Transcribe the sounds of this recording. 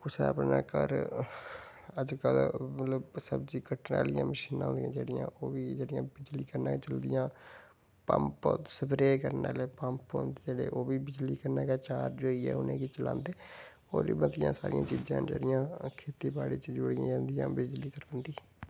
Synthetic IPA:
kʊseːəpna̰ːkə̰ɾ | əd͡ʒkəlmət̪ləbsəbd͡ʒiːkəʈʰna̰ːlɪjãːməʃiːnãːnd̪ijãːd͡ʒeːɽɪjã̰ːʔoːʋiːd͡ʒeːɽɪjãːbɪd͡ʒliːkəɾnaːkːt͡ʃəld̪ɪjãː | pə̰mpːsəbɾeːkəɾnaːleːpəmpo̰ːnd̪eːd͡ʒeːɽḛːʔoːʋiːbɪd͡ʒliːkəɾnaːkeːt͡ʃaːɾd͡ʒoːiːɛ̰ːʊnẽːkiːt͡ʃəlã̰ːnd̪eː | o̰ːɾiːbəd̪ɪjã̰ːsaːɾḭ̃ãːt͡ʃiːd͡ʒãːd͡ʒḛːɽɪjãːkʰeːt̪iːbaːɽiːt͡ʃd͡ʒʊɽɪjãːd͡ʒãːnd̪ɪjãːbɪd͡ʒliːkəɾənd̪iː

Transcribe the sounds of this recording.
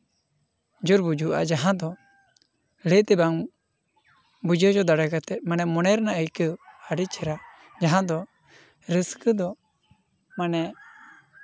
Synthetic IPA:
d͡ʒuɾbud͡ʒuʔa̰d͡ʒaɦãd̪ɔ | let̪ɛbaŋ | bud͡ʒəd͡ʒɔd̪aɽakat̪ɛt̪̚manɛmɔnɛɾnaʔəjkəaɖit͡ʃʰɛɾa | d͡ʒaɦãd̪ɔ | ɾəskəd̪ɔ | manɛ

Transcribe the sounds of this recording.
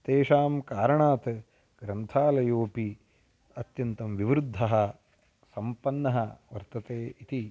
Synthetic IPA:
t̪eːʃaːmkaːɾɐɳaːt̪ | ɡɾɐnt̪ʰaːlɐjoːpi | ɐt̪jɐnt̪ɐmʋiʋɾud̪ʱːɐɦɐ | sɐmpɐnːɐɦɐʋɐɾt̪ɐt̪eːit̪i

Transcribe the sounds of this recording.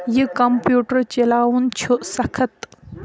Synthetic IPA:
jikɐmpjuːʈəɾt͡ɕelaːwunt͡ʃʰosɐkʰɐt̪

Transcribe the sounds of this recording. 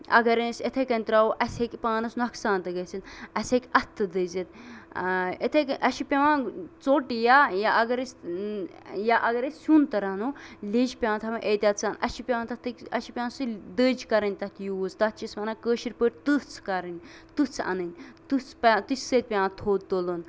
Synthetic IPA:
ɐ̰ɡɐɾɐnsʲet̪ʰekɐnʲt̪ɾaːoʔɐsʲekʲpaːnɐsnuɐksãːnt̪ɐɡɐsʲinɐsʲekʲɐt̪ʰːɨd̪əzʲɐt̪ | et̪ʰekʔɐʃipʲɐʋãːt͡soʈjaːjaʔɐɡɐɾɐsʲ | jaʔɐɡɐɾesunt̪ɐɾɐnulʲed͡ʒpʲãːnt̪ʰɐmɐʔeːt̪ʲat̪t͡saːnɐ̰ʃipʲɐʋaːnt̪ɐt̪ʰɨkʲɐʃipʲãːnsɨd̪əːd͡ʒkɐɾɐnʲt̪ɐt̪ʰjuzd̪ɐt̪̚t͡ʃismɐnakəːʃiɾpəʈ̚ʲt̪ɨt͡sʰkɐɾɐnʲ | t̪ɨt͡sʰɐ̰nɨnʲt̪ɨt͡spɐt̪ɨsʲsət̪̚ʲpʲjãːnt̪ʰoːt̪̚d̪olon

